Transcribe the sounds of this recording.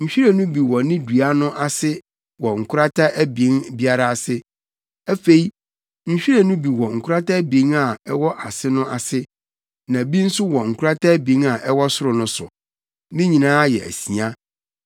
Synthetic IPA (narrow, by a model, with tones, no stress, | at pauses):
ɲ̩˨ɕᶣi˦ɾe˦nũ˦bi˨wɔ˨nɪ̃˦du˨a˦nʊ̃˦ʔa˨sɪ˦ | wɔ˨ŋ̩˨kʰʊ˦ɾa˦tʰa˦ʔæ˦bĩ˨˦nbi˦a˦ɾa˨a˨sɪ˦ | æ˦fe˦i˦ | ɲ̩˨ɕᶣi˦ɾe˦˨nʊ̃˦bi˨wɔ˨ŋ̩˨kʰʊ˦ɾa˦ta˦bĩ˨˦ŋa˨ɛ˦wɔ˦ʔa˨sɪ˦nʊ̃˦ʔa˨sɪ˦ | nã˨bi˦n̩˦sʊ˦wɔ˨ŋ̩˨kʰʊ˦ɾa˦tʰa˦bĩ˨˦na˨ʔɛ˦wɔ˦sʊ˦ɾʊ˨nʊ̃˦sʊ˨ | mĩ˦ɲĩ˨nãː˦jɛ̰˨æ̰˨sĩ˨ã˦